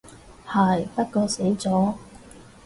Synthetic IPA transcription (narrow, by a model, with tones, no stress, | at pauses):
haː˨˩jpɐ˥t̚kɔː˧se˨˥jt͡sɔː˨˥